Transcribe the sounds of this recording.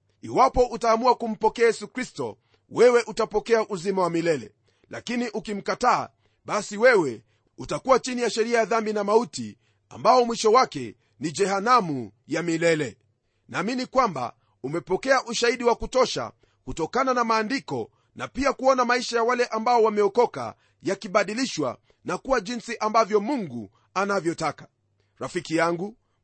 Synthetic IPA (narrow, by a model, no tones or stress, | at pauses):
iwapɔʔutaːmuakum̩pɔkɛajɛsukɾistɔ̰ | wɛwɛʔutapɔkɛaʔuzimawamilɛlɛ̰ | la̰kiniʔukim̩kata̰ː | ɓasiwɛwɛ | utakuwat͡ʃinijaʃɛɾiajaðambinamautḭ | a̰mbaɔmwiʃɔwakɛ | nid͡ʒɛhanamu | jamilɛlɛ | naːminikwamba̰ | umɛpɔkɛaʔuʃaiɗiwakutɔʃa̰ | kutɔkananamaːndikɔ | napiakuɔnamaiʃajawalɛʔambaɔwamɛɔkɔka̰ | jakiɓaɗiliʃwa̰ | nakuwaʄinsiʔambavjɔmuŋɡu | anavjɔtakḁ | ɾafikijaŋɡu